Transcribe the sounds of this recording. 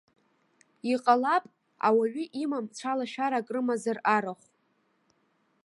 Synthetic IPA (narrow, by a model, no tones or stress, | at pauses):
iqʼalapʼ | a̰waɥʏʔimamt͡sʷʰalaʃᶣaɾakʼrɨmazaraɾaχʷ